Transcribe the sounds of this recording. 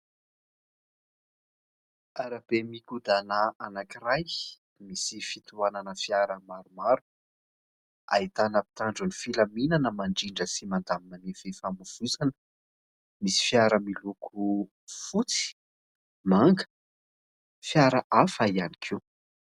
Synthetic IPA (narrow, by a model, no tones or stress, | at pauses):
aɾab̥emikud̪anaanakiɾaj | misifit̪uananəfjaɾəmaɾumaɾu̥ | a̰it̪anəpi̥t̪aɳɖ͡ʐunifilaminanəmaɳɖ͡ʐiɳɖ͡ʐəsimand̪amimanefefamuv̥uzanə̥ | misi̥fjaɾəmilukʰu | fut͡si̥ | maŋɡə̥ | fjaɾəʔafaianikʰi